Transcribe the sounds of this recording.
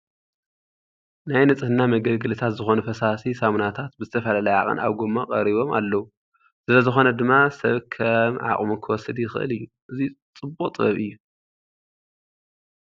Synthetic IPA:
najnɨt͡sʼɨhɨnːamɐɡɐlɡɨlɨt̪ʰat̪zɨxo̞nufɐsasisamnat̪ʰat̪bɨzɨt̪ʰɐfɐlalɐjʕa̰χʼɨ̰nʔa̰βɡomːakʼɐɾiβo̞ma̰lːɐwu | sɨlɐzɨxo̞nɐd̪ɨmːasɐβkʰɐmʕa̰χʼmukʰɨwɔsːɨd̪jɪxɨʔɨ̰lɨjːu | ʔɨzit͡sʼɨbokʼt̪ʼɨβɐ̰βɨjːu

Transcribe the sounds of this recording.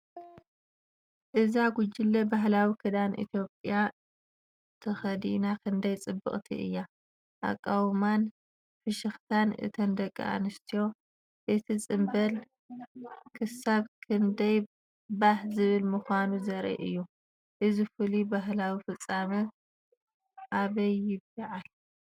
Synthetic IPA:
ʔɨzaɡud͡ʒɪlːɐbaɦlawikʰɐd̪anʔḭt̪ʰjo̞pʼija | t̪ʰɐxɐd̪inakʰɨnd̪ɐjt͡sʼɨbːɨ̰χʼt̪ʰḭʔɨ̰jːa | ʔa̰kʼːawman | fɨʃɨxt̪ʰanɨ̰t̪ʰɐnd̪ɐkʼːḭa̰nɨst̪ʰijo̞ | ʔɨt̪ʰit͡sʼɨmbɐl | kʰɨsaβkʰɨnd̪ɐj | baħzɨβɨlmɨxʷanuzɐɾɐ̰ʔɨjːu | ʔɨzifɨlibaɦlawifɨt͡sʼːamɐ | ʔaβɐjːɪbaʕal

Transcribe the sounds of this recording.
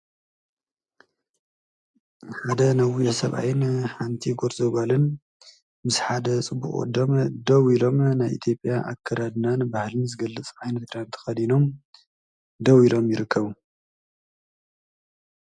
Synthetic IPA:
ħad̪ɐnɐwisɐβʔa̰jɪnħant̪ʰiɡoɾzɐɡalɨn | mɨsħad̪ɐt͡sʼɨbːṵxʼo̰d̪omd̪ɐwilo̞mnajʔḭt̪ʰjo̞pʼjaʔa̰kʰːɐɾad̪nanbahlɨnzɨɡɐlːɨt͡sʼʕajnɐt̪ɾant̪ʰɨ̥xɐd̪ino̞m | d̪ɐwilo̞mjɪɾɨkʰːɐβu

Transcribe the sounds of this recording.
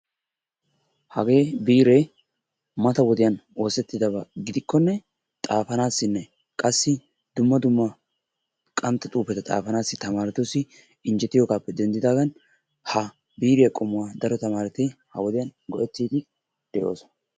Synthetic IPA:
hɐɡe̞ːbiːɾɛ | mɐt̪ɐwɔd̪ɪjɐno̞ːsɛt̪ːɪd̪ɐbɐɡɪd̪ɪkːɔnːɛ | t̪ʼaːfɐnaːsːɪnːɛ | kʼɐsːɪ | d̪̥ʊmːɐd̪ʊmːɐ | kʼɐmt̪ːɐt̪ʼuːpːɛt̪ɐt̪ʼa̰ːfɐnaːsːɪt̪ɐmaːɾɛt̪osːɪ | ɪnd͡ʒɛt̪ːɪjoːɡaːpːɛd̪ɛnd̪ɪd̪aːɡɐn | hɐ | biːɾɪjɐkʼɔmʊwaːd̪ɐɾɔt̪ɐmaːɾɛt̪ehɐwɔd̪ɪjɐnɡɔʔɛt̪ːiːd̪ɪ | d̪̥ɛʔo̞ːsɔn

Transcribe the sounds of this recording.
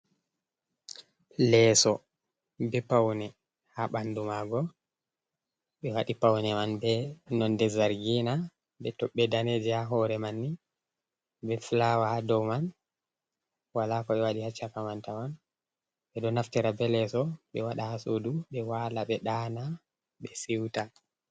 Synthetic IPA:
lɛsɔ | bɛpawnɛ | haɓandumaɡɔ | ɓɛwaɗipawnɛmanbɛnɔndɛzaɾɡina | bɛtɔɓːɛdaned͡ʒɛhaɦɔɾɛmanːi | bɛflawahadɔwman | walakɔɓɛwaɗihat͡ʃːakamantaman | ɓɛɗɔnaftɛɾabɛlɛsɔɓɛwaɗahasoduɓɛwalaɓɛɗana | ɓɛsiwta

